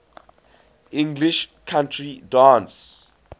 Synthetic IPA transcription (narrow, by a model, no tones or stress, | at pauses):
ĩŋɡliʃkʰãntʰridãns